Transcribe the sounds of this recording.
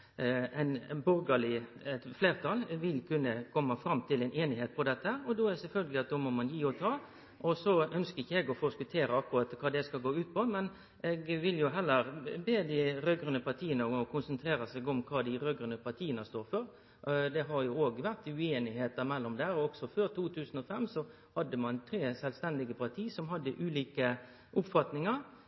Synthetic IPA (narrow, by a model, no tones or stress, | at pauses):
ɛɪnbʊɾɡɑlɪɛt̪fleːɾt̪ʰɑlʋɪlkʰʉnːəkʰɔmːɑfɾɑmːt̪ʰɪlɛɪnʔeːnɪheːt̪̚pʰɔd̪ɛt̪ːəhæːɾɔd̪ɔːɛd̪ɛsɛlfœlɡəlɪɑt̪̚d̪omɔmɑnjiːɔt̪ʰɑː | ʔɔsɔœnskəɪçːəɛɡɔfoːskʉt̪ʰeːɾəɑkːʊɾɑt̪kʰɑːd̪ɛskɑlɡoːʉːt̪̚pʰɔmɛn | ɛɡʋɪljʊɦɛlːəɾbeːd̪ɪɾøɡɾʉnəpʰɑɾt̪ʰiːənəɔkʰʊnsənt̪ʰɾeːɾɑsɛɡɔmkʰɑːd̪ɪɾøːɡɾʉnəpʰɑɾt̪ʰiːənəst̪oːɾfɔɾ | d̪ɛɦɑɾjʊoːɡʋæʁt̪ʉeːnɪheːt̪əɾmɛlːɔmd̪æːɾɔɔɡ̥sɔføːɾt̪ʰuːt̪ʰʉːsən̩ɔfɛmːsɔ | hɑd̪ːəmɑnt̪ʰɾeːsɛlʋst̪ɛnd̪ɪɡəpʰɑɾt̪ʰiːsɔmɦɑd̪ːəʔʉːliːkə | ʔʊpfɑt̪nɪŋəɾ